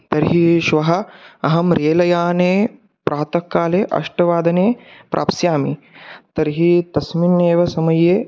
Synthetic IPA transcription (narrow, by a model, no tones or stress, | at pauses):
t̪ɐɾɦiʃʋɐɦɐɐɦɐmɾeːlɐjaːneː | pɾaːt̪ɐkːaːleːʔɐ̰ʂʈɐʋaːd̪ɐneːpɾʔa̰ːpsjaːmi | t̪ɐɾɦit̪ɐsminːeːʋɐsɐmɐjeː